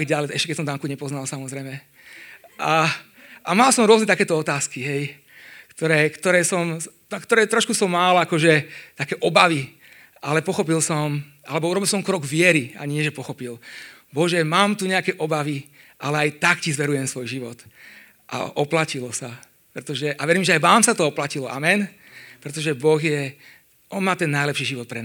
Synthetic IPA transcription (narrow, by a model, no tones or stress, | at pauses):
ɡɟalɛɛʃcɛkɛsɔmd̪aŋkuɲɛpɔznalsamɔzɾɛjmɛ | ʔa | ʔamalˠsɔmɾʊɔznɛt̪akɛːt̪ɔɔt̪aːskiɦɛj | kt̪ɔɾɛːkt̪ɔɾɛːsɔm | akt̪ɔɾɛːt̪ɾɔʃkusɔmːalakɔʒɛt̪akɛːʔɔbaʋi | ʔalɛpɔxɔp̬ilsɔm | alɛbɔuɾɔbilˠsɔmkɾɔɡʋɪɛɾia̰ɲɪɛʒɛpɔxɔpil | bɔʒɛmaːmt̪uɲɛakɛːʔɔbaʋiʔalɛajt̪akcizʋɛɾujɛmsʋɔjʒiʋɔt̪ | ʔa̰ʔɔplacilɔsa | pɾɛt̪ɔʒɛʔaʋɛɾiːmʒɛajʋaːmsat̪ɔɔplacilɔʔamɛn | pɾɛt̪ɔʒɛbɔɣjɛ | ʔɔnmaːt̪ɛnːajlɛpʃiːʒiʋɔt̪̚pɾɛn